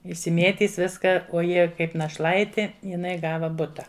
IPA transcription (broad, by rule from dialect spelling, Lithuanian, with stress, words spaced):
ɪʃʲsʲɪˈmʲeːtʲiːs ˈʋʲɪskɐ oː ˈjiɛ ˈkɐɪp nɐʃˈlˠɐɪtʲɪ jɪˈnɐɪ ˈɡɑːʋɐ ˈbʊtɐ